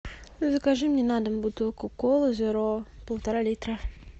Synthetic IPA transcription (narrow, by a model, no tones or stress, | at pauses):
zɐkaʐɨmnʲenad̪əmbut̪ɨlˠkəkolˠəzʲøɾopəlˠt̪aɾalʲit̪rə